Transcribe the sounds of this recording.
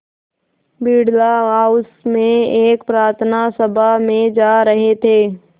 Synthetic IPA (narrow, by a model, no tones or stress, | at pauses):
biːɽlaɦaːʊsmẽeːkpɾaːɾt̪ʰnasəbʱamẽd͡ʒaːɾəɦet̪ʰeː